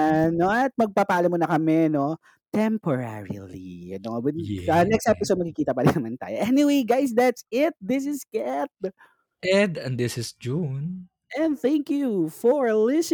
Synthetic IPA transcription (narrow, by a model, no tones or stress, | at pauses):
ɐnoɐt̪̚mɐɡ̚papaːlɐmonɐkɐmɛno̞ | t̪ɛmpoɹa̰ɹḭlḭɐ̰nowɪɐnɛkst̪ɛpɪsod̪mɐɡkɪkiːt̪ɐpɐd̪ɪnɐmant̪a̰ːjoʔɛniwejɡajs̬d̪æt̪sɪt̪̚d̪ɪs̬ɪskɛt̪̚ | ʔɛd̪ɛ̰̃nd̪ɪsɪsd͡ʒun | ɛ̃nθæ̃ŋkjufɔɹlɪs